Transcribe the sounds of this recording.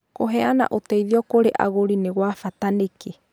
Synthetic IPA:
koɦeana̰ʔot̪eiðiɔkoɾeʔa̰ɣoɾineɣwafat̪aneke

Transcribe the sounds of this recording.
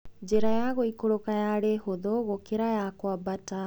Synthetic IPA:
d͡ʑeɾajaɣoikoɾokajaɾehoðoɣokeɾajakwabata

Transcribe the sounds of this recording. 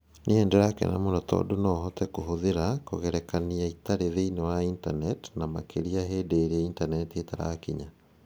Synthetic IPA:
neɛːndeɾakɛ̰na̰monɔtɔ̰donɔɦɔtɛkoɦoðeɾakoɣɛɾɛkaniaitaɾeðeinewaintanɛtnamakeɾiaɦeːdeːɾɛintanɛtietaɾa̰kiɲa

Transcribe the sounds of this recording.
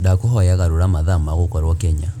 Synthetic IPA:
dakoɦɔjaɣaɾoɾamaðamaɣokɔɾwɔkɛɲa

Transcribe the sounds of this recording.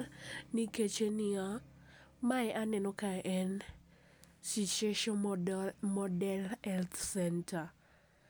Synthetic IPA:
niket͡ʃenɪa | maɛʔanɛnɔkaʔɛn | sit͡ʃeʃɔ | mɔdɛlɛlt̪sɛntʰa

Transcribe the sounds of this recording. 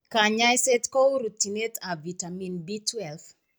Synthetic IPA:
kaɲajset̪kouɾutinet̪ʰavitaminbitwɛlθ

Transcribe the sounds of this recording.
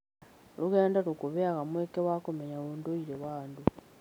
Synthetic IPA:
luɣeːndalukuβeakamwekeβakomeɲaβundoiɾeβaːndu

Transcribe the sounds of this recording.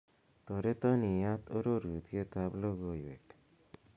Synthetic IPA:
t̪ɔɾet̪ɔnijat̪oɾoɾut̪ɡet̪abloɡojwek

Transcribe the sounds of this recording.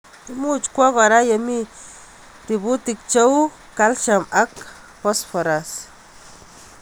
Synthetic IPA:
imut͡ʃkʷakaɾajami | ɾibut̪ik̚t͡ʃow | kalʃamak | posfoɾas

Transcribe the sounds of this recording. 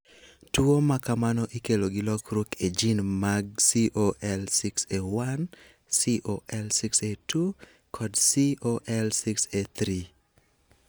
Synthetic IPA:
tuomakamanɔʔikeloɡilɔkɾuked͡ʒinmaɡ̚siʔoʔɛlsiksewan | siʔoʔɛlsiksetu | kʰɔdsioʔɛlsikset̪ɾi

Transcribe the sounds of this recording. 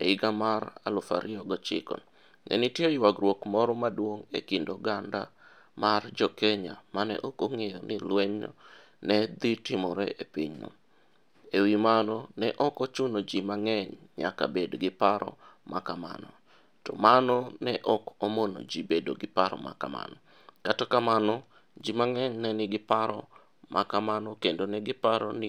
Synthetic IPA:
ḛɪɡamara̰lʊfa̰ɾɪɔɡɔt͡ʃɪ̰kɔ̰n | nɛ̰nitjejwaɡrwokmɔɾɔmadwoŋḛkindoɡanda̰ | mard͡ʒɔkeɲamanɛ̰ʔɔkoŋejɔnilwɛɲɔ̰ | nɛd̪itɪmɔɾɛʔepɪɲnɔ̰ | ewimanɔnɛʔɔkot͡ʃunod͡ʒimaŋɛɲɲa̰ka̰bedoɡɪpaɾʔɔ̰mʔakama̰nɔ̰ | tɔmanɔnɛʔɔkomono̰d͡ʒibedo̰ɡɪpaɾɔ̰ma̰kama̰nɔ | katakamanɔ | d͡ʒimaŋɛɲnɛnɪɡɪpaɾɔ̰ | mʔa̰kamanɔkendonɛɡɪpaɾɔ̰nɪ

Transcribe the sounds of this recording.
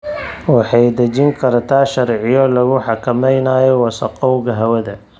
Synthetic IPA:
wɑħɑjd̪ɐd͡ʒɪŋkʰɐɾt̪ʰaːʃɐɾʕɪjɔlɐɣʊħɑkʰɐmɛjnaːjɔwɑsɐqɔwɣɐɦɐwɐðɐ

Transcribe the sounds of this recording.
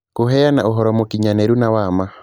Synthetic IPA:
koɦɛjanaoɦɔɾɔmokiɲanɛɾunawama

